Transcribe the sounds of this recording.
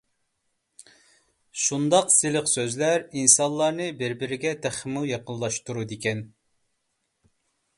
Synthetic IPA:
ʃund̪ɑqsɪlɪqsøzlæɾinsɑnlˠɑɾnɨbɪɾbɪɾɪɡʲɛt̪ʰæχmujɑqəllˠɑʃt̪uɾud̪ekʲɛn

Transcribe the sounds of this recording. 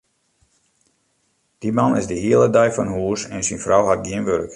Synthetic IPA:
d̥imanɪ̰zdəɦiəlˠədɛjfɔnɦuəsɛnsinfrawɦat̚ɡiənʋørk

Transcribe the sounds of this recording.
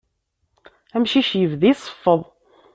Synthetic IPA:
æmʃiʃjəvðisˤə̥fːəðˤ

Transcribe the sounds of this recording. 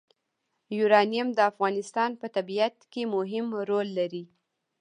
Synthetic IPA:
juɾɑnijamd̪əafɣɑnɪst̪ɑnpət̪abiat̪kemʊɦɪmɾolːaɾi

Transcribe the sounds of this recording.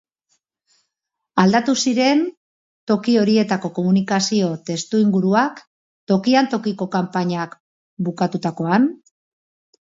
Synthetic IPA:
ald̪at̪usiɾe̞n | t̪o̞kio̞ɾie̞t̪ako̞ko̞munikasio̞t̪e̞st̪uiŋɡuɾuak | t̪o̞kiant̪o̞kiko̞kampaɲak | bukat̪ut̪ako̞an

